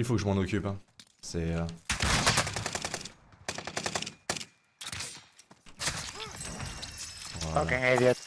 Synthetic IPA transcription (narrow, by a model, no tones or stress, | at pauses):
ilfokəʒəmɑ̃nɔkʲypɛ̃sɛø | vwaɔakɛɛvɔ